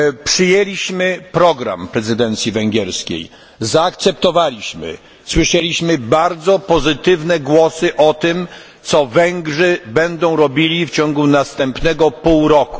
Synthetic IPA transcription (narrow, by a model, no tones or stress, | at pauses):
pʂɘjelʲiɕmɘpɾɔɡɾa̰mpɾɛzɘd̪ɛnt̪sʲjivɛŋɡʲɛɾskʲḛj | zaːkt̪sɛp̚t̪ɔvalʲiɕmɘ̰ | swɘʂɛlʲiɕmɘbaɾd̪zɔpɔzɘt̪ɘvnɛɡwɔsɘʔɔt̪ɪm | t̪sɔvɛŋɡʐɘbɛnd̪ɔ̃w̃ɾɔbʲilʲift͡ɕɔŋɡunast̪ɛmpnɛɡɔpuwɾɔku̥